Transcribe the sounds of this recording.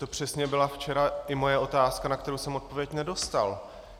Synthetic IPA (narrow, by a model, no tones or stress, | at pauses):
t̪o̞pr̝̥ɛsɲɛbɪlaft͡ʃɛɾaʔɪmo̞jɛʔo̞t̪aːskanakt̪ɛɾowsɛmo̞t̪̚povjɛcnɛdo̞st̪a̰l